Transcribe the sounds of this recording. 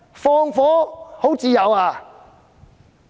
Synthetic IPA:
fɔː˧ŋfɔː˨˥ho˨˥wt͡siː˨˧jɐ˨˧waː˧˩

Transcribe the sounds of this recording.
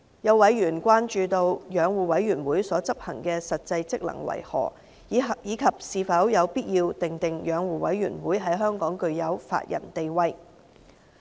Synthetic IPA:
jɐ˨˧wɐ˨˥jɥyː˨˩nkʷaː˥nt͡ʃyː˧t̪o˧wjœː˨˧ŋwuː˨wɐ˨˥jɥyː˨˩nwuː˨˥jsɔː˨˥t͡sɐ˥p̚hɐ̰˨˩ŋkɛ˧sɐ˨t̚t͡sɐ˧jt͡sɪ˥k̚lɐ̰˨˩ŋwɐ̰˨˩jhɔ̰ː˨˩ | jiː˨˥jiː˨˧kʰɐ˨p̚siː˨˧fɐ˨˥wjɐ˨˧wpiː˥t̚jiː˧wt̪ɪ˨ŋt̪ɪ˨ŋjœː˨˧˥ŋwuː˨˩wɐ˨˥jɥy̰ː˨˩nwuː˨˥jɦɐ˨˥jɦœː˥ŋkɔː˨˥ŋkɵ˧ɥjɐ˨˥wfa̰ː˧t̚jʔɐ̰˨˩nt̪e˨jwɐ˧j

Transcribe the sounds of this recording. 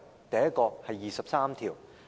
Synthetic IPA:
t̪ɐ˨jɐ˥t̚kɔː˧hɐ˨jːiː˨sɐ˨p̚saː˥mt̪ʰiː˨˩w

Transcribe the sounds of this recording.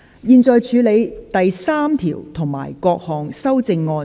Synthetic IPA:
jiː˨˧nt͡sɔː˨˧jt͡ʃʰyː˨˥le˨˧jt̪ɐ˨jsaː˥mt̪ʰḭː˨˩wt̪ʰʊ˨˩ŋma̰ː˨˩jkɔː˧k̚hɔː˨˩ŋsɐ˥wt͡sɪ˧ŋːɔː˧

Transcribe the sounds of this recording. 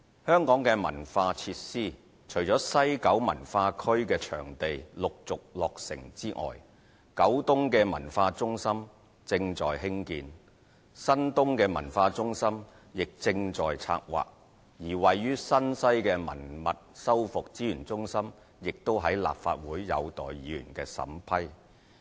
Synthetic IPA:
hœː˥ŋkɔː˨˥ŋkɛː˧mɐ̰˨˩nfaː˧t͡sʰiː˧t̚siː˥ | t͡ʃʰɵ˨˩ɥt͡sɔː˨˥sɐ˥jkɐ˨˥wmɐ˨˩nfaː˧kʰɵ˥ɥkɛː˧t͡ʃʰœ̰ː˨˩ŋt̪e˨jlʊ˨k̚t͡sʊ˨k̚lɔː˨k̚sɪ̰˨˩ŋt͡siː˥ʔɔ̰ː˨˩j | kɐ˨˥wt̪ʊ˥ŋkɛː˧mɐ̰˨˩nfaː˧t͡sʊ˥ŋsɐ˥m | t͡sɪ˧ŋt͡sɔː˨jɦɪ˥ŋkḭː˧n | sɐ˥nt̪ʊ˥ŋkɛː˧mɐ̰˨˩nfaː˧t͡sʊ˥ŋsɐ˥m | jɪ˨k̚t͡sɪ˧ŋt͡ʃt͡sɔː˨jt͡sʰa̰ː˧k̚wa̰ː˨k̚ | jiː˨˩wɐ˨jːyː˥sɐ˥nsɐ˥jkɛː˧mɐ̰˨˩nmɐ˨t̚sɐ˥wfʊ˨k̚t͡siː˨˥jyː˨˩nt͡sʊ˥ŋsɐ˥m | jɪ˨k̚t̪o˥wɦɐ˨˥jla̰ː˨p̚fa̰ː˧t̚wuː˨˥jːɐ̰˨˧wt̪ɔː˨jjiː˨ɥy̰ː˨˩nkɛː˧sɐ̰˨˥mpʰɐ˥j

